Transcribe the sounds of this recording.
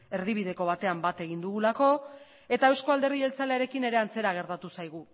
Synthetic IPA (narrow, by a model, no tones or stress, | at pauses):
e̞ɾð̞iβ̞ið̞e̞ko̞β̞at̪e̞ambat̪e̞ɣ̞ind̪uɣulako̞ | e̞t̪aewsko̞ald̪e̞rðielt͡saleaɾe̞kine̞ɾe̞ant͡se̞ɾaɣ̞e̞ɾt̪at̪usajɣ̞u